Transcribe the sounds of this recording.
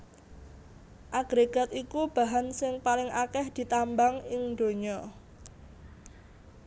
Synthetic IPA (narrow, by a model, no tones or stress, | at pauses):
ʔaɡ̥ɾeɡ̥a̤t̪ikub̥a̤ɦansɪŋpalɪŋʔakɛhd̪̥i̤t̪ambaŋɪŋd̪o̤ɲɔ